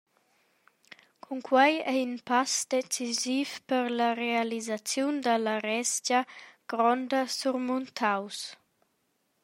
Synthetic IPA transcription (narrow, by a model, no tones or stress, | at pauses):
kʰuŋkʰwajɛynpasd̪et͡sizifpəɾlərealizat͡sjund̪əlaɾɛsd͡ʒəɡ̥ɾɔnd̪əsuɾmunt̪ʰaws